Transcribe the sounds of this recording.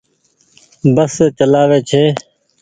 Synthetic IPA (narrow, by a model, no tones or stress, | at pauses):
bəsːeːt͡ʃəlaːʋeːt͡ʃʰeː